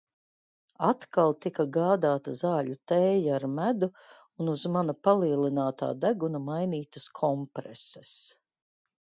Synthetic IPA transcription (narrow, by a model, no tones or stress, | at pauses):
at̪kalˠt̪ikaɡaːd̪aːt̪ɐzaːʎut̪ɛːjaaɾmæd̪u | unuzmanɐpalˠiːlinaːt̪a̰ːd̪æɡunɐmajniːt̪ɐskʰɔmpɾɛsɛs